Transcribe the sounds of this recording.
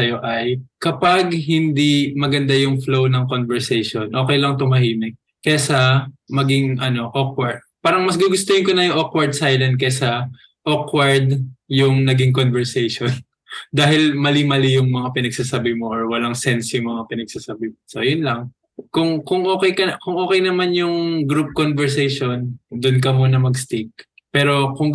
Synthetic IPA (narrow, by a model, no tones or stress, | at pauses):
sɐjo̞ʔɐjkɐpaɡhɪnd̪imɐɡɐnd̪ajʊŋflownɐŋkonvɛɹsɛjʃonʔo̞ːkɛjlɐŋt̪ʊmɐhiːmɛ | kɛsɐmɐɡiŋʔɐno̞ʔok̚wɐɹd̪̚paːɾɐŋmɐsɡuɡʊst̪ojɪnkonɐjʊŋʔokwɐɹd̪̚sajlɐnd̪̚kɛsɐ | ʔokwɐɹd̪jʊŋnɐɡiŋkonvɛɹsɛjʃon | d̪aːhɪlmɐlimɐlɪjʊŋmɐŋapɪnɐɡ̚sasabɪmoʔoɹwɐlaŋsɛnsjʊŋmɐŋapɪnɐɡ̚sasabɪmso̰jʊnlɐŋ | kʊŋkʊŋʔo̞ːkɛjkɐkʊŋʔoːkɛjnɐmanjʊŋɡɾup̚konvɛɹsɛjʃo̞nd̪ʊnk̬ɐmunɐmɐɡst̪ik̚ | pɛːɾo̞kʊŋ